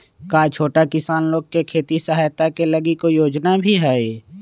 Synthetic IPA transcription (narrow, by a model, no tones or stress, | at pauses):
kaːt͡ʃʰoːʈakɪsaːnloːɡ̚kekʰeːt̪isəɦaːjt̪akeləɡikojoːd͡ʒnabʱiɦɛːe